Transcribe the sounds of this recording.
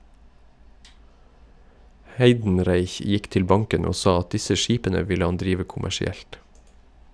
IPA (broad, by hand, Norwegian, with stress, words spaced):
ˈhæɪdn̩ˌɾæɪç ˈjɪk ˈtɪl ˈbɑŋkən ˈoː ˈsɑː ˈɑt ˈdɪsə ˈʃiːpənə ˈʋɪlə ˈhɑn ˈdɾiːʋə kʊmæʃɪˈɛlt